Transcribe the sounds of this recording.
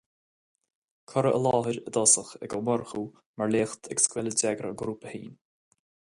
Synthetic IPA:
kʰɔɾəʔəlɔːɦəɾəd̪ɔsəxɛ̰ɡɔlmɔɹxu | maɹleːxt̪ʰɛɡskwɛləd͡ʒɛɡɾəɡɾuːpəhḭːn

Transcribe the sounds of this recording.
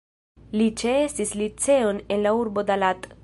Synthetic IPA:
lit͡ʃeesislit͡se̞o̞ne̞nlauɾbo̞d̪alat

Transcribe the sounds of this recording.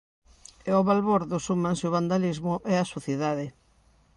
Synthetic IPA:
ɛoβalβoɾðʊsumanseoβand̪alizmʊʔɛasoθjeðaðɪ

